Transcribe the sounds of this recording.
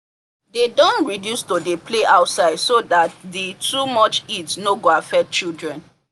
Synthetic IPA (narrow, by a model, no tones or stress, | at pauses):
dedɔ̃ntɹidjustodepleʔaʊtsaɪdsodatditumɔt͡ʃidsnoɡoafɛk̚t͡ʃildɹɛ̃n